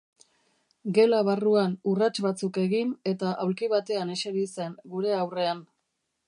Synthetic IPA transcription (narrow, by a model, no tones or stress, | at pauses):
ɡe̞laβaruanurat͡ʃβat͡suke̞ɣine̞t̪aʔawlkiβat̪e̞ane̞seɾise̞ŋɡuɾe̞awre̞an